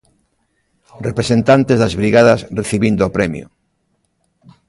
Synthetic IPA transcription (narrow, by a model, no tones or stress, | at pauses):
repɾesent̪ant̪ezðazβɾiɣaðɐsreθiβind̪oːpɾɛmjʊ̰